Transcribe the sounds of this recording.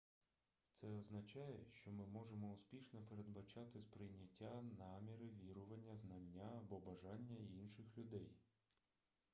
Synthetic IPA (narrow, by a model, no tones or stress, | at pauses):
t̪sɛɔznɐt͡ʃɑjɛʃt͡ʃɔmɪmɔʒemɔʊspʲiʃnɔpeɾe̞d̪bɐt͡ʃɑt̪ɪspɾɪjnʲɐtʲːanɑmʲiɾɪʋʲiɾʊʋɐnʲːɐznɐnʲːaɐbɔbɐʒɑnʲːɐinʃɪxlʲʊd̪ɛj